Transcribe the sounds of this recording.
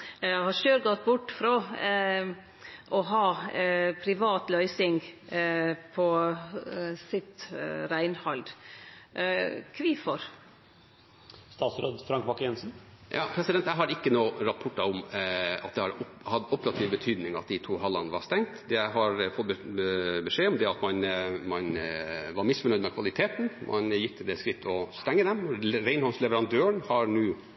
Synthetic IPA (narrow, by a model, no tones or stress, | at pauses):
hɑʃøːɾɡɔt̪ːbʊʈːfɾo | ʔɔɦɑːpʰɾɪʋɑːt̪lœʏsɪŋ | pʰɔ | sɪt̪ɾæɪnhɑld̪ | kʰʋiːfɔɾ | st̪ɑːt̪sɾoːd̪fɾɑŋkbɑkːjɛnsn̩jʔɑ̰ːpʰɾɛsɪd̪ɛnt̪æɦɑɾɪkːənoːɾɑpʰɔʈːɑʊmɑ̰t̪̚d̪ɛhɑɾɔhɑt̪ːɔpəɾɑt̪ʰiːʋbət̪ʰyːd̪nɪŋɑt̪̚d̪ɪt̪ʰuːɦɑlːɑnəʋɑɾst̪ɛŋt̪d̪ɛæɦɑɾfɔt̪̚ː | bəʂeːɔmd̪ɛɑt̪mɑnmɑnʋɑɾmɪsfɔɾɳœʏd̪mɛkʰʋɑlɪt̪ʰeːt̪n̩mʔɑ̰njɪt̪ːəd̪ɛskɾɪt̪ʰːɔst̪ɛŋːəd̪ɛmɾæɪnhɑlslɛʋəɾɑnd̪øːəɳhɑɾnuː